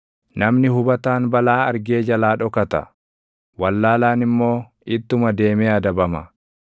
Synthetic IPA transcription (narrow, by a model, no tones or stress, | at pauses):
nɐmnɪɦʊbɐt̪aːnbɐlaːɐɾɡeːd͡ʒɐlaːᶑɔkɐt̪ɐ̰ | wɐlːaːlaːnɪmːo̞ː | ɪt̪ːʊmɐd̪e̞ːmɛɐd̪ɐbɐmɐ